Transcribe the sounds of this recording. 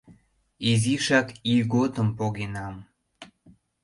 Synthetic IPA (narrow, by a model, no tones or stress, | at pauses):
iziʃɑkiɣot̪əmpoɣenɑm